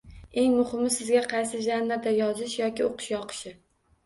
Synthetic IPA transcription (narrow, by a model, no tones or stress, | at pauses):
e̞ŋmʊhɪmɪsɪzɡʲaqʰɑjsɪʒanːaɾd̪ajɒzɪʃjɒkʲɪoqɨ̥ʃjɒqʰɨ̥ʃɪ